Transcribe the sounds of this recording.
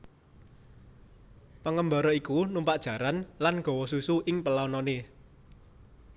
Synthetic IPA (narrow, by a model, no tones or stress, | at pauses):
pəŋəmbaɾɔikunumpaʔd̥ʒ̥a̤ɾanlanɡ̥ɔ̤wɔsusuʔɪŋpəlaɔnɔne